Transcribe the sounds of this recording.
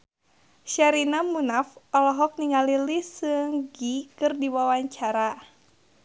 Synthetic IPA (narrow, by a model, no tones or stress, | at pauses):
ʃaɾinamunafɔlɔɦɔk̚niŋalilisɨŋɡikɨrdiwawaɲt͡ʃaɾa